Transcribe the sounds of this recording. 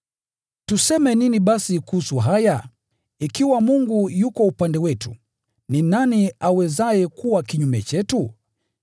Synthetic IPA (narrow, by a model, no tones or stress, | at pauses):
tusɛmɛniniɓasikuhusuɦaja | ikiwamuŋɡujukɔupandɛwɛtṵ | ninaniawɛzajɛkuwakiɲumɛt͡ʃɛtu